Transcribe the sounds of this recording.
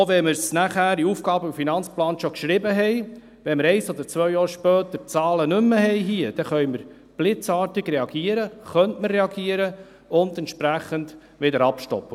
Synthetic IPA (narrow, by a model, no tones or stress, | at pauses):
oʋɛməɾsnæχæːɾiufɡ̥ɑːbəufinɑnt͡splɑːnʃokʃɾɪbəɦɛɪ | ʋɛnməɾɛɪsɔd̪əɾt͡sʋœɥjɑːɾʃpœːt̪ət͡sɑːlənɵmːəɦɛɪɦiəd̥ɛχœɥməɾ | b̥lɪt͡sɑːtɪɡɾɛɑɡ̥iəɾəχœntmərːɛɑɡiːəɾə | ʊnd̪ɛnt̪ʃpɾæχənd | ʋɪd̪əɾɑpʃtɔ̰pːə